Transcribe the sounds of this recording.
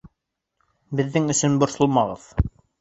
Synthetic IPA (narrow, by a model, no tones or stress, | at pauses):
bɘ̆ðːɘŋɵ̆sɵnbŏɾsolˠmɑʁɤ̰ð̥